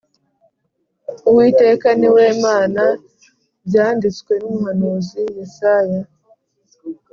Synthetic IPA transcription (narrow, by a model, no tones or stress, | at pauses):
uwiːte̞ːkaniwe̞ːmaːna | bjaːndit͡skwe̞numuɦanuːzijisaja